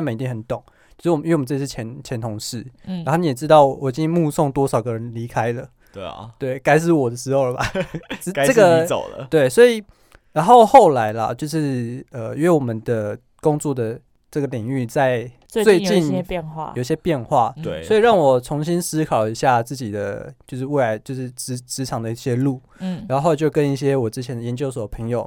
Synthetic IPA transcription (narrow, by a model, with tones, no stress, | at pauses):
mə˨ni˧t̪i˥˩hə˨˦nt̪ʊ˨˩˦ŋ | t͡ɕjo˥˧ʂ̩˥˩˨ɥ̩˥˩˨ʂ̩˥˩t͡ɕʰɛ˧˦˥nt͡ɕʰɛ˧˥nt̪ʰʊ˧˦ŋʂɻ̩˥˩a˨˥o˥˧˩mn˩˧˨jɛ˨˩ʈ͡ʂɻ̩˦t̪ɑ˥˩ʊwɔ˨˩i˨˩t͡ɕi˥˦ŋmu˥˧sɔ˥˩ŋt̪wɔ˥sɑ˨˩ʊɡə˨˦ɻə˧˦nli˧˥kʰa˥ɪlə˨ | t̪we˥˩ɪka˥ɪʂ̬ɻ̩˥˩wɔ˨˩d̪ə˦ʂɻ̩˧˥xo˥˩ʊlə˩ba̰˨˩˥ | ə˥˩ɡə˨˩lə̰˨t̪we˥˩ɪswɔ˧˥i˨˩ | ɻa˧˥nxo˥˧ʊxo˥˩ʊla˧˥ɪlə̰˧t͡ɕjo˥˧ʊʂɻ̩˥˧ə˩ɥɛ˥˩wɔ˨˩mə˨nd̪ə˨˩ | kʊ˥ŋt͡swɔ˥˩d̪ə˩ | ʈ͡ʂə˥˩ɡə˨li˨˩ŋy˥˧t͡sa˥˧ɪ˥ | we˥˧ɪt͡ɕi˥˧njɛ˥˧nxwa̰˥˩ji˨˩ɕjɛ˥pjɛ˥˧nxwa̰˥˩wswɔ˧˥i˨ɻɑ˥˩ŋwɔ˨˩t͡sʰʊ˧˥ŋɕi˦˥nsɹ̩˥kʰɑ˨˩ʊi˧˥ɕja˥˧t͡sɹ̩˥˩t͡ɕi˨˩d̪ə̰˦t͡ɕjo˥˧ʊʂɻ̩˥˧we˥˩ɪla˧˦ɪt͡ɕjo˥˧ʊʂɻ̩˥˩ʈ͡ʂ̩˧˥ʈ͡ʂɻ̩˧˥ʈ͡ʂʰɑ˨˥˦ŋd̪ə˧i˥˩ɕjɛ˦lu˥˩˥ | a˨˥˧xo˥˩ʊ˨t͡ɕjo˥˩ʊkə˦ni˥˩ɕjɛ˦wɔ˨˩ʈ͡ʂɻ̩˥t͡ɕʰɛ˧˦nd̪ə˩jɛ˧˥nt͡ɕjo˥ʊswɔ˨pʰə˧˦ŋjo˨˩ʊ